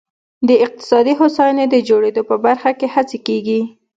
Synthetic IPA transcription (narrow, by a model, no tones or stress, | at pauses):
d̪əɪq̚t̪ɪ̥sɑd̪iɦosɑjned̪əd͡ʒoɽed̪opəbaɾxakehat͡sekeɡi